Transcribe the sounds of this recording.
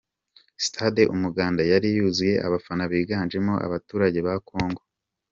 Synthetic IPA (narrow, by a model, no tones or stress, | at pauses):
si̥tʰadeʔumuɡaːndajaɾijuːzuje̞ʔaβafanaβiːɡaːnʒe̞mo̞ʔa̰βatuːɾaɟe̞βakʰo̞ːŋɡo̞